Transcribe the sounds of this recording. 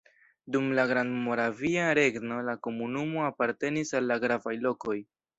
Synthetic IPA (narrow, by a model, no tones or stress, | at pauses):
dumlaɡɾandmo̞ɾaviaɾe̞ɡno̞lako̞munumo̞apaɾte̞nisalːaɡɾavajlo̞ko̞j